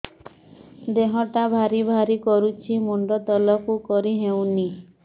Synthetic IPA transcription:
d̪eɦɔʈabʱaɾibʱaɾikɔɾut͡ʃʰimuɳɖɔt̪ɔlɔkukɔɾiɦewni

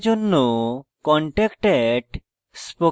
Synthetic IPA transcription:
d͡ʒonːokɔɳʈekʈeɖ | spo

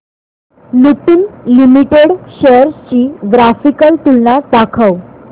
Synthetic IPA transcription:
luʈinlimiʈeɽɕejəɾst͡ɕiːɡɾafikəlt̪ulnad̪akʰəw

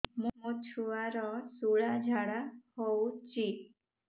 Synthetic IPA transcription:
mũmut͡ʃʰuʋaɾɔsuɭad͡ʒʱaɽahɔut͡ʃi

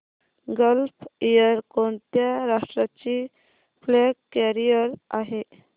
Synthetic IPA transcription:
ɡəlpijəɾkɔɳt̪jaɾaʂʈɾat͡ɕi | fleɡkːɛɾijəɾaɦe

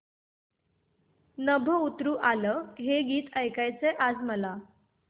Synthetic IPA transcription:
nəbʱəut̪ɾuːʔaləɦeɡiːt̪əjkajt͡seʔad͡zməla

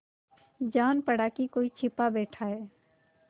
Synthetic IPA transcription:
d͡ʒaːnpɐɽaːkikoːit͡ʃʰɪpabɛːʈʰaɦɛː

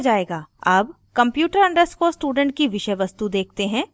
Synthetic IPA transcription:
d͡ʒaːeːɡaːɐb | kɐ̃mpjuːʈəɾɐ̃ɳɖəɾskosʈuːɖə̃ɳʈ̚kiʋɪʃəjʋɐst̪ud̪eːk̚ʰt̪eɦɛ̃ː

